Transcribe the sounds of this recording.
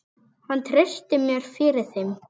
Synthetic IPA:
hant̪ʰɾest̪ɪmjœɾ̥fɪɾɪɾ̥θem

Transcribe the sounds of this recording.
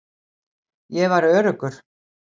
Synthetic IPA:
jɛvaɾœːɾʏkʏɾ̥

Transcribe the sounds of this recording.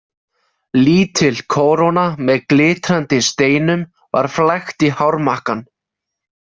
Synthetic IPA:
liːt̪ʰɪlkʰoːwɾownamɛðklɪːt̪ɾant̪ɪst̪eːjnʏm | va̰ɾ̥flajxt̪ihawɾmahkan

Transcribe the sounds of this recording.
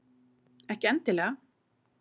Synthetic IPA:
ɛhcɪɛnt̪ɪlɛːɣa

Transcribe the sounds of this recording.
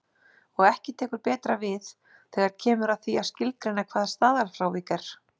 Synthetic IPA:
ɔɣɛhcɪt̪ʰɛːkʏɾpɛːt̪ɾavɪθ | θɛɣaɾ̥cʰɛːmʏɾaðθiḁscɪlk̪ɾɪnakʰvaːðḁst̪aːðalfɾawvikɛɾ̥

